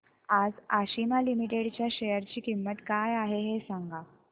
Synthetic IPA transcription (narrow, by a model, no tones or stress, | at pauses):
ad͡zaɕimalimiʈeɽt͡ɕjaɕejəɾt͡ɕiːkimːət̪kajaɦeɦesaŋɡa